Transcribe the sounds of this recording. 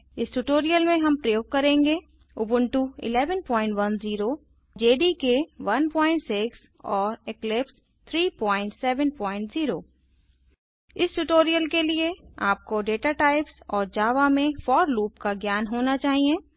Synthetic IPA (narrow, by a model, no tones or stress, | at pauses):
ɪsʈuʈoːɾijəlmẽɦɐmpɾɐjoːɡ̚kɐɾẽːŋɡe | ʊbə̃ɳʈuɪ̰lɛːʋənpɔ̃ːɪ̃ɳʈʋɐnziːɾo | d͡ʒeːɖikeʋɐnpɔ̃ːɪ̃ɳʈsɪks | ɔːɾɪklɪps | t̪ʰɾiːpɔ̃ːɪ̃ɳʈsɛːʋənpɔːɪ̃ɳʈz̥iːɾoː | ɪsʈuʈoːɾijəlkelieaːp̚koɖeːʈaʈaːɪpsɔːɾd͡ʒaːʋamẽfɔːɾluːpkaɡjaːnɦoːnat͡ʃaːɦiẽ